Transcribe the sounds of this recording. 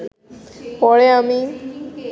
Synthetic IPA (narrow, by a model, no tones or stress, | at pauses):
pɔɽeami